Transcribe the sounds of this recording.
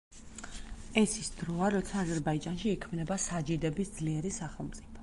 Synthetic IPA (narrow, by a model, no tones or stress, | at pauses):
ɛsisd̪̥ɾɔaɾɔt̪sʰaːzɛɾbaid͡ʒanʃiːkʰmnɛbasad͡ʒid̪ɛbisd̪zliɛɾisaχɛlˠmt̪sʼipʰɔ̥